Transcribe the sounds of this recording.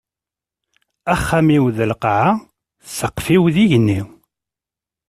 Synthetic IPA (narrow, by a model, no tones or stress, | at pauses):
æχːæmiwðəlqʕa | səqːfiwðiʝənːiw